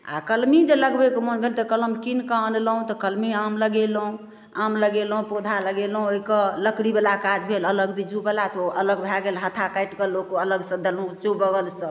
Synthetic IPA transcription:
a̰kəlmid͡ʒeləɡbekmonbʱelt̪əkələmkinkəənlɦũt̪ɔkəlmiamləɡelɦũ | amləɡelɦũpud̪ʱaləɡelɦũoɦikələkɽibelakad͡ʒbʱelələɡbid͡ʒubəlat̪oʔələɡbʱaɡelɦət̪ʰakəjʈkəlokələɡsə̃d̪əlɦũt͡ʃubəɡəlsə̃

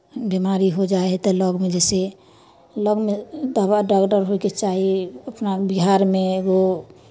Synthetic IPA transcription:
bimaɾiɦod͡ʒaet̪ɔləɡmed͡ʒɛse | ləɡmed̪abaɖakɖəɾɦoket͡ʃaɦiəpnabiɦaɾmeeɡo

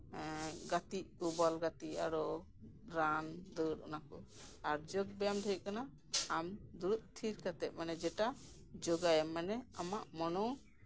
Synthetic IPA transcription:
ɡat̪iʔkɔbɔlɡat̪ia̰ɾɔ | ɾand̪əɾɔ̰nakɔ | aɾd͡ʒɔɡ̚bɛjamd̪ʱəʔkanaː | md̪uɾut̪̚t̪ʰiɾkat̪ɛʔ̚ˀmanɛd͡ʒɛʈa | d͡ʒɔɡajɛmːanɛamaʔmɔnɔ

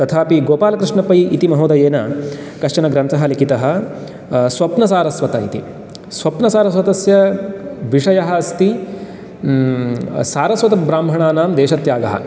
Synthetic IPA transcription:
t̪ɐt̪ʰaːpiɡoːpaːlɐkɾɪʂɳɐpɐjit̪imɐɦoːd̪ɐjeːnɐkɐʂt͡ʃɐnɐɡɾɐnt̪ɐɦɐlikit̪ɐɦɐ̆ | sʋɐpnɐsaːɾɐsʋɐt̪ɐḭt̪ḭ | sʋɐpnɐsaːɾɐsʋɐt̪ɐsjɐʋiʂɐjɐɦɐːst̪i | saːɾɐsʋɐt̪ɐbɾaːmbʱɐɳaːnaːmd̪eːʃɐt̪jaːɡɐɦɐ̰

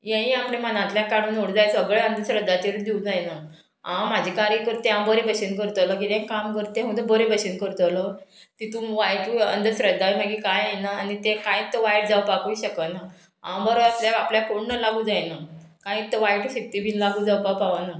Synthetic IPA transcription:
jãĩaplemənãt̪ljakaɽuːnoɽd͡zajsəɡɭeənd̪əɕɾəd̪ːat͡ɕ̪eɾud̪iud͡zajna | ãmad͡ʑʱekaɾikəɾt̪ẽãbəɾebəɕinkəɾt̪ələk̬it̪ẽŋkamkəɾt̪ẽɦũd̪əbəɾebəɕinkəɾt̪ələ | t̪it̪umʋajʈuə̰nd̪əsɾəd̪ʱːaiməɡikajajnaːnit̪ekãit̪ːəʋajʈ̚d͡zaʋpakujɕəkəna | ã̰bəɾoəsljaapljafoɳnəlaɡuːd͡zajnakãĩt̪ːəʋajʈuɕek̚t̪ibʱinlaɡuːd͡zaʋpaʋpaʋana

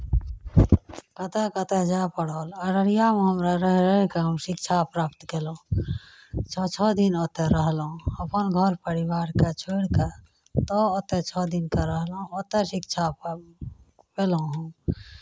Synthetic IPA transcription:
kət̪ɛkət̪ɛd͡ʒapəɽɔːləɾəɽijameɦəmɾaɾəɦɾəɦɛkeɦəmʃɪkt͡ʃʰapɾaːpt̪kelõ | t͡ʃʰɔt͡ʃʰɔd̪inot̪ɛɾəɦlõəpənɡʱəɾpəɾibaːɾket͡ʃʰoiɽke | t̪ɔot̪ɛt͡ʃʰɔd̪inkeɾəɦlõot̪ɛʃikt͡ʃʰa | pel̃ɦũ

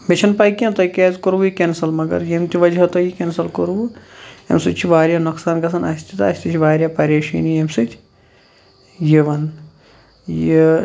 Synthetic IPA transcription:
met͡ʃʰɐnpaːjkʲent̪ɐkeːzkoɾʋujikʲensɐlmɐɡɐ̰ɾjemt̪iʋɐd͡ʒɦɐt̪ɐjikʲensɐlkoɾʋuḛmsɨt͡ʃʰiʋaːɾʲjaːnɐksaːnɡɐs̬ʰɐnɐsʲt̪it̪ɐsʲt̪it͡ʃʰʋaːɾʲjaːpɐɾʲeːʃḭːnijemsɨt͡ʃʰ | jiʋɐn | ji

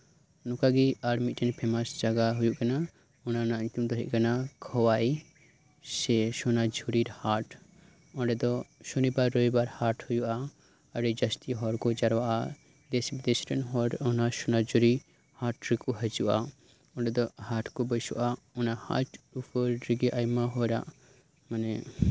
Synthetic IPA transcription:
nukaɡiaɽmit̪̚ʈɛnpʰɛmasd͡ʒaɡaɦujuʔkana | ɔnanaɲt̪umd̪ɔɦɛʔkanakʰɔwai | sɛʃɔnad͡ʒʱuɾiɾhaʈ | ɔ̃ɖɛd̪ɔʃɔnibaɾːɔibaɾhaʈhujuʔa | əɖɛd͡ʒɐst̪iɦɔɾkɔd͡ʒaɾwaʔa | d̪ɛsbɛd̪ɛsɾɛnɦɔɾɔnaʃɔnad͡ʒuɾi | haʈɾikuɦəd͡ʒuʔa | ɔ̃ɖɛd̪ɔhaʈʰkɔbəsṵʔaɔnaha̰ʈupʰəɾɾiɡɛʔajmaɦɔɾa̰ʔ | manɛ

